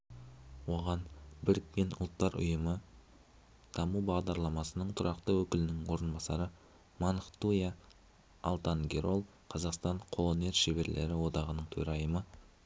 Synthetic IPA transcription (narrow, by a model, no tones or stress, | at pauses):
wo̞ʁɑnbɪɾɪk̪ːʲe̞nʔʊ̰lˠt̪ːɑɾʊ̰jəmə | d̪̥ɑmubɑʁd̪ɑɾlˠɑmɑsənəɴt̪ʰʊɾɑqt̪əwɵkʲɪlɪnɪŋwo̞ɾənbɑsɑɾə | mɑnχt̪ujɑ̰ː | lˠt̪ɑŋɡʲe̞ɾo̞lˠ | qʰɑzɑqst̪ɑɴqʰo̞lˠo̞ne̞ɾʃe̞be̞ɾlʔe̞̰ɾɪwo̞d̪ɑʁənəɴt̪ʰɵɾɑjəmə